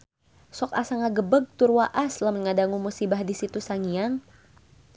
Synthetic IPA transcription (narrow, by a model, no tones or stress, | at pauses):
sɔkasaŋaɡəbəɡ̚t̪urwaʔasləmnŋadaŋumusibahdisit̪usaŋijaŋ